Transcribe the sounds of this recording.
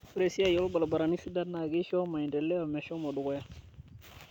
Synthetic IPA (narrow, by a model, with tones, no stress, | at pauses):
fɾe˨si˦a˦˨jɔ˦lba˨la˨ba˨ɾa˨ni˦fi˦da˦na˨ɡi˦ʃɔ˦ma˨i˨ndɛ˨lɛ˦o˨mɛ˨ʃɔ˦ma˨du˨ɡɔ˦ja˦